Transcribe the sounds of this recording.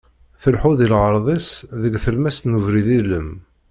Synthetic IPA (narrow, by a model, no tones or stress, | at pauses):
θəlħuðilʁəɾˤðˤisðəɡθəlmæst̪nuvɾiðiləm